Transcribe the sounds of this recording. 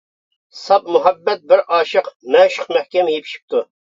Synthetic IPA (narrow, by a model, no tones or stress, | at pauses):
sɑp̚muɦɛbːɛt̪̚bɪɾʔɑːʃɨqmɛʃʊ̥qmɛhkʲɛmjepʰi̥ʃi̥p̚t̪ʰu